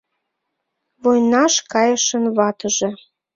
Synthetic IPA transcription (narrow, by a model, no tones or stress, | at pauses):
βojnɑʃkɑjəʃənβɑt̪əʒĕ